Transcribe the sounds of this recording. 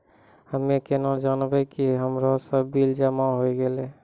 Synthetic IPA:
həmekenad͡ʒanbɛkiɦəmɾɔsəbild͡ʒəmaɦojɡele

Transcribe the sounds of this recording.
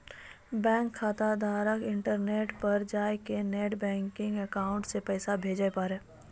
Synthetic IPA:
bɛ̃ːŋkʰːaːt̪ad̪ʱaːɾəkɪ̃ɳʈəɾneːʈpɐɾd͡ʒaːjkeneːʈbɛ̃ːŋkɪ̃ŋɡəkaːʊ̃ɳʈsepɛːsabʱeːd͡ʒaepaːɾɛː

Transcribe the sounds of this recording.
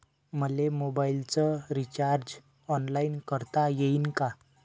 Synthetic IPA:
məlemobailt͡sɔɾit͡ɕaɾd͡ʑ | ɔnlainkəɾt̪ajeinka

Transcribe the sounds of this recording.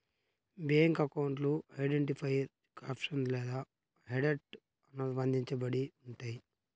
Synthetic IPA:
beŋkɐkɐwuɳʈluɐjɖeɳʈipʰɐjɾ | kaːpʂɐnlɛːd̪aː | ɦeɖeʈ | ɐnuʋɐnd̪ʱiɲt͡ʃɐbɐɽiuɳʈaːji

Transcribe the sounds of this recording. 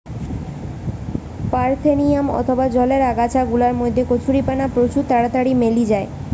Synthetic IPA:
paɾt̪ʰenijamɔ̰t̪ʰobad͡ʑɔleɾaɡat͡ɕʰaɡulaɾmojd̪ʱːekot͡ɕʰuɾipanapɾot͡ɕut̪aɽat̪aɽimelid͡ʑae

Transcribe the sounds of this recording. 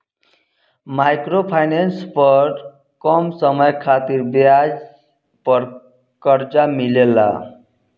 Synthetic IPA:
majkropʰajnenspʌɾ | kʌmsʌmʌjkʰat̪iɾbjad͡z | pʌ | kʌɾt͡samilela̰

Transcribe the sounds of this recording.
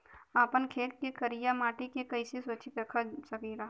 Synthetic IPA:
aːpənkʰeːɾkekɐɾijamaːʈikekɐisesoːt͡ʃʰipɾɐkʰasɐkiːɾaː

